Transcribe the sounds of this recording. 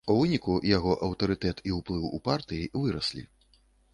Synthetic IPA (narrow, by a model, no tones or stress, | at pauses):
uvɨnʲikujaɣɔʔɐwt̪ɐɾɨt̪ɛt̪iwplˠɨwṵpart̪ɨjivɨɾɐsʲlʲḭ